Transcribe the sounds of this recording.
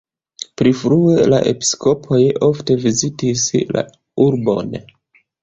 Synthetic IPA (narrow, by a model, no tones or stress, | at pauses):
pɾifɾue̞la̰ʔe̞̰pi̥sko̞pʰo̞jo̞fte̞vizitisla̰ | uɾbo̞̰n